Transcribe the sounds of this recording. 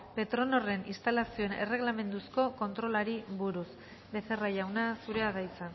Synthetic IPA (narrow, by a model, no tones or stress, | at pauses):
pe̞t̪ɾo̞no̞re̞nist̪alasio̞ene̞̰re̞ɣlame̞nd̪usko̞ko̞nt̪ɾo̞laɾiβuɾus | be̞θe̞raʝawnasuɾe̞aðajt͡san